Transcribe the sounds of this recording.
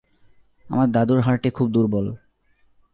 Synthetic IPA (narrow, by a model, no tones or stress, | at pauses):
a̰maɾd̪ad̪uɾɦaɾʈikʰub̚d̪uɾbol